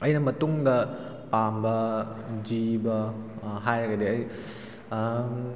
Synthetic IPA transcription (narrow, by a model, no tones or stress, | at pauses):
ɐjnɐmɐtuŋdɐ | pambɐd͡ʒibɐɦajɾɐɡɐdeɐj